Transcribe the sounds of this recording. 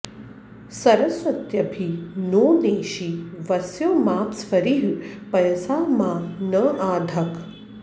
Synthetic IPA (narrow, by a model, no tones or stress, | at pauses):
sɐɾɐsʋɐt̪jɐbʱinoːneːʃiʋɐsjoːmaːpsfɐɾiɦpɐjsaːmãːnəʔaːd̪ʱɐk